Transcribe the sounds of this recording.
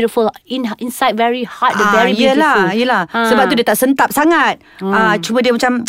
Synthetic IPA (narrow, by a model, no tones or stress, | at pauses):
ɾəfəlĩnʔĩnsajd̚vɛɹihat̚dəvɛɹijəlajəlasəbap̚t̪udiət̪aʔsənt̪ap̚saŋat̪̚at͡ʃumədiəmat͡ʃam